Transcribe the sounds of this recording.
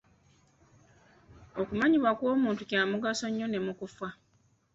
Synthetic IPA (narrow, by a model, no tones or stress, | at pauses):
o̞kumaɲiβwakwo̞ːmuːntucaːmuɡaso̞ɲːo̞ne̞mukufa